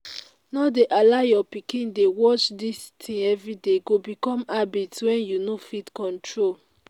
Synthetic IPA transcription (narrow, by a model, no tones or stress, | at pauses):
nɔdeʔalajɔpikĩndewɔt͡ʃdistʰĩɛvɹideɡobikɔ̃mabitswɛ̃njunofitkɔ̃ntʰɹol